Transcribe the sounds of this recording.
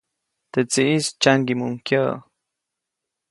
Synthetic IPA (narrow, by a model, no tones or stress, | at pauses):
t̪et͡siʔist͡ʃaŋɡimuŋkjə